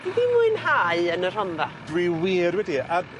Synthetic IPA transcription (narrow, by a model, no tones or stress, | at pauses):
d̥iðɪmuɨnɦaɨənər̥ɔnðad̥wiwiːrwɛdia